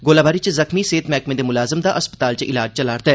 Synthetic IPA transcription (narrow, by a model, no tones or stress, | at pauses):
ɡoːlaːbaːɾit͡ʃzɐxmiseːt̪mɛːkmẽd̪emʊlaːzəmd̪aʔɐspə̥t̪aːlt͡ʃəʔɪlaːd͡ʒt͡ʃɐlaːɾt̪ɛ